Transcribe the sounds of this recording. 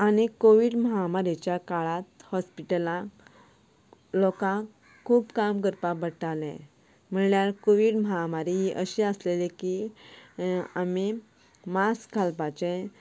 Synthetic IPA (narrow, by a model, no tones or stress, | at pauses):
añikoʋiɽməɦamaɾet͡ɕjakaɭat̪hɔspiʈəlã | lɔkã | kʰuːpkamk̬əɾpabəɽʈalɛ̰̃ | m̤əɳljaɾkoʋiɽməɦamaɾiʔəɕiəsleleki | ami | maskalpat͡ɕẽ